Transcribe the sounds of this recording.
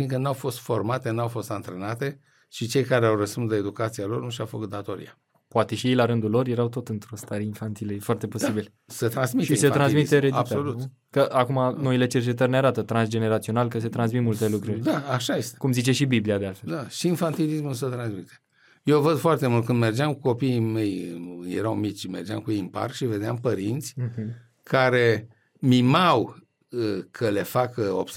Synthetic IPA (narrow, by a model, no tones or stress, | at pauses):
fiŋkənawfo̞st̪fo̞rmat̪enawfo̞st̪ant̪ɾe̞nat̪e̞ | ʃit͡ʃe̞jkaɾeawrəspunslae̞d̪ukat̪sialo̞rnuʃawfə̰kut̪̚d̪at̪o̞ɾḭa | poat̪e̞ʃijejlaɾɨnd̪ulo̞rje̞ɾawt̪o̞t̪ɨnt̪ɾo̞st̪aɾeinfant̪ilefoart̪e̞po̞sibil | sət̪ɾansmitʃieset̪ɾanssmit̪eɾeaolut | kəʔakumano̞ile̞t͡ʃe̞rt͡ʃe̞t̪̬ərʲneaɾat̪ət̪ɾansd͡ʒe̞ne̞ɾat̪sio̞nalkəse̞t̪ɾansmit̪mult̪e̞lukɾurʲd̪aaʃajest̪ekumzit͡ʃe̞ʃibibliad̪ealfeld̪aʃiːnfant̪ilismuls̬ət̪ɾansmit̪e | jewvəd̪foart̪e̞mult̪̚kɨnd̪me̞rd͡ʒeamkuko̞piːme̞jjḛɾawmit͡ʃʲmḛrd͡ʒea̰mkueimpa̰rkʃive̞d̪eampəɾint̪sʲ | kʰaɾe | mimaw | əkʰəle̞fakəo̰bs